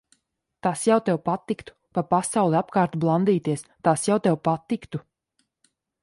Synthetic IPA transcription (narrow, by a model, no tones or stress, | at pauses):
t̪asjawt̪ɛwpat̪ikt̪u̥papasawlˠɛapkaːɾt̪ublˠand̪iːt̪iɛst̪aːsjawt̪ɛwpat̪ːikt̪u